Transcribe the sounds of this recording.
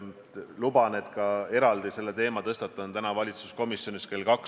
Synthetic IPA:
lubɑne̞t̪kɑe̞ɾɑld̪ise̞lːe̞t̪e̞ːmɑt̪ɤst̪ɑt̪ːˑɑnt̪ænɑvɑlʲit̪su̥sko̞misjo̞niske̞lkɑk

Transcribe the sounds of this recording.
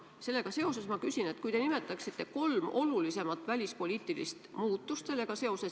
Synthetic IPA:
se̞lːe̞ɡ̥ɑse̞o̞se̞smɑkysine̞t̪kujt̪e̞nime̞t̪ːˑɑksit̪ːe̞ko̞lmʔo̞lulise̞mɑt̪ːˑvælʲispo̞lʲiːt̪ːˑilḭst̪muːt̪ːˑust̪se̞lːe̞ɡ̥ɑse̞o̞se̞

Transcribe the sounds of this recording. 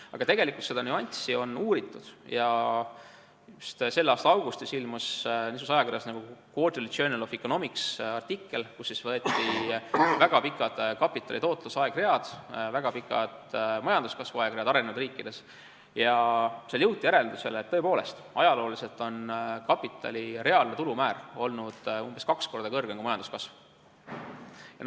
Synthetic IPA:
ɑɡ̥ɑt̪e̞ɡ̥e̞likːˑult̪se̞d̪̥ɑnuɑnʲt̪sio̞nuːɾit̪ːˑud̪̥jɑ | just̪se̞lːɑːst̪ɑɑwɡ̥ust̪isilmusnis̬usɑjɑkirjɑsnɑɡ̥ukoːt̪ilit̪t͡ʃøːnelofikːo̞no̞miksɑrt̪ikːe̞lkusːisvɤ̞e̞t̪ːˑivæɡ̥ɑpikːˑɑd̪̥kɑpːˑit̪ːˑɑlit̪o̞ːt̪ˑlusɑeɡ̥re̞ɑd̪̥væɡɑpikːˑɑ̰d̪̥mɑjɑnd̪̥uskɑsvuɑeɡɾeɑd̪ɑɾe̞nevud̪riːkːˑid̪̥e̞s | jɑseljɤwt̪ʲːˑijeɾe̞ld̪use̞lːet̪ːɤ̞e̞po̞ːle̞st̪ɑ̰jɑlo̞ːlise̞lt̪ˑo̞nkɑpːˑit̪ːˑɑ̰lʲire̞ɑlnet̪ulumæːro̞lnud̪̥umb̥eskɑksko̞rd̪̥ɑkɤrɡ̥eŋɡ̥umɑjɑnd̪̥uskɑsv | jɑ

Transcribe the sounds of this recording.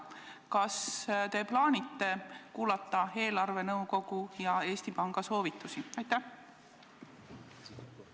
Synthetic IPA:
kɑst̪e̞ːplɑːnʲit̪ːe̞kuːlɑt̪ːˑɑe̞ːlɑrve̞nɤwko̞ɡ̥ujɑe̞ːst̪ipɑŋɡ̥ɑso̞ːvit̪ːˑusiɑjt̪æ

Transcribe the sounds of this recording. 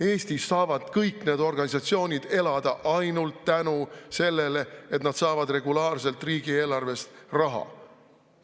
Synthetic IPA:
e̞ːst̪isːɑːvɑd̪̥kɤjkne̞ːd̪̥o̞rɡ̥ɑnʲisɑt̪sio̞ːnʲid̪̥e̞lɑd̪̥ɑʔɑjnult̪ːænuse̞lːe̞leet̪nɑd̪̥sɑːvɑd̪̥re̞ɡ̥ulɑːrse̞lt̪riːɡ̥ie̞ːlɑrve̞st̪rɑɦɑ̰

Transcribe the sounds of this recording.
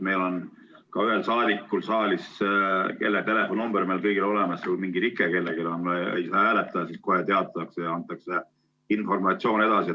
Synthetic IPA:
me̞jlo̞n | kɑyɦelsɑːd̪ikːulsɑːlʲiske̞̰lːet̪e̞le̞fˑo̞numb̥eɾmejlkɤjɡ̥ilo̞le̞mɑsulmiŋɡit̪ikːˑeke̞lːeɡ̥ilonḛjsed̪ɑɦæːlet̪ːˑɑɑsisko̞ɦe̞t̪eɑt̪ːˑɑɑksejɑɑnt̪ːˑɑkse | info̞rmɑt̪sio̞ːne̞d̪̥ɑsi

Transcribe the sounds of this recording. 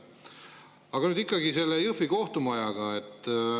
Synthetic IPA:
ɑɡ̥ɑnyːd̪ikˑːɑɡise̞lːejɯfiko̞ht̪umɑjɑɡɑe̞t̪ː

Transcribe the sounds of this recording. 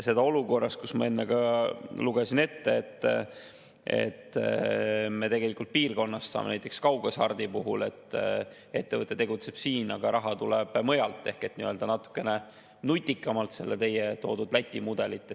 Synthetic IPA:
se̞d̪ɑo̞luko̞rːɑst̪kusmɑ̰e̞nːeɡɑluɡesine̞t̪ːeːt̪ːˑ | e̞̰t̪ː | me̞t̪e̞ɡe̞likːˑult̪̚piːrko̞nːɑst̪sɑ̰ːmenæjt̪ekskɑwɡ̥ɑsɑrd̪̥ipuɦule̞t̪ː | e̞t̪ːe̞vɤt̪ːˑe̞t̪e̞ɡ̥ut̪se̞b̥siːnɑɡ̥ɑɾʔɑɦɑt̪uleb̥mɤjɑlt̪ːˑe̞hke̞t̪niø̞ld̪ɑnɑt̪ːˑu̥kːˑe̞ne | nut̪ʲːikːˑɑmɑlt̪se̞̰lːet̪e̞jet̪o̞̰ːd̪ud̪læt̪ʲːˑimud̪̥e̞lit̪ːˑe

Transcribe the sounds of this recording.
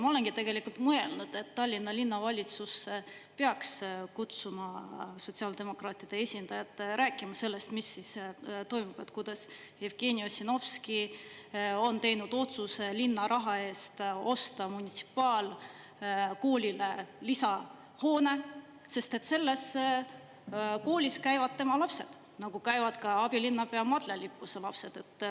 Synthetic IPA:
mɑo̞le̞nɡ̥it̪e̞ɡ̥e̞likult̪mɤe̞lnud̪̥e̞t̪ːɑlʲːinːɑlinːɑvɑlʲit̪sus | peɑkskut̪sumɑso̞t̪ʲsiɑːld̪e̞mo̞krɑːt̪id̪̥e̞e̞sʲind̪̥ɑjɑt̪ɾæːkːˑimɑse̞lːe̞st̪misːist̪o̞jmub̥et̪kujd̪̥ɑs | jevɡ̥e̞ːnʲiosino̞fski | o̞nt̪e̞jnud̪̥o̞t̪suselinːɑɾʔɑɦɑe̞ːst̪o̞st̪ɑmunʲit̪si̥pːˑɑːl | ko̞ːlʲile̞lisɑ | ho̞ːne̞ | se̞st̪e̞t̪ːse̞lːe̞s | ko̞ːlʲiskæjvɑd̪̥̚t̪e̞mɑlɑpse̞̰d̪̥ | nɑɡ̥ukæjvɑd̪̥kɑɑb̥ilinːɑpe̞ɑmɑd̪̥lelipːuselɑpse̞d̪̥e̞t̪ː

